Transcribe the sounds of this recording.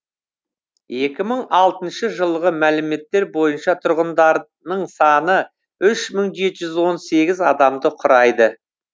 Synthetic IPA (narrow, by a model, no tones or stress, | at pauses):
je̞kʲɪməɴɑlˠt̪ənʃəʒəlˠʁəmælɪme̞t̪ːe̞ɾbo̞jənʃɑt̪ʰʊɾʁənd̪ɑɾ | nəɴsɑnə | ʏʃməɴʒe̞t̪ɪʒʏzwo̞nse̞ɡʲɪzɑd̪ɑmd̪əqʰʊɾɑjd̪ə